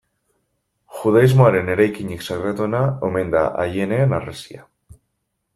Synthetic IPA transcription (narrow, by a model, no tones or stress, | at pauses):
xuð̞aizmoaɾe̞ne̞ɾajkiɲiksaɣɾat̪onaome̞nd̪a̰ʔajeneːnaresia̰